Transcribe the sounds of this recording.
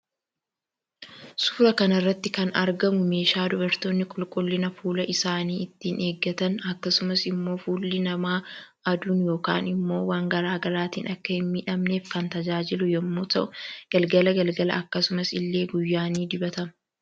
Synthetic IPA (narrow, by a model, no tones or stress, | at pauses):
sʊ̥ːɾɐkɐnɐrːɐt̪ːɪkɐnɐ̰ɾɡɐmʊme̞ːʃaːd̪ʊbɐɾt̪oːnːɪkʼʊlkʼʊlːɪnɐfuːlɐʔɪsaːniːɪt̪ːiːne̞ːɡːɐt̪ɐnɐkːɐsʊmɐsɪmːo̞ːfuːlːɪnɐmaːʔɐd̪uːnjo̞ːka̰ːnɪmːo̞ːwaːŋɡɐɾaːɡɐɾaːt̪ḭːnɐkːɐhɪnmiːᶑɐmne̞ːfkɐnt̪ɐd͡ʒaːd͡ʒɪlʊjɐmːoːt̪ɐʔʊɡ̥ɐlɡɐlɐɡɐlɡɐlɐ̰ɐkːɐsʊmɐsɪlːe̞ːɡʊjːaːniːd̪ɪbɐt̪ɐmɐ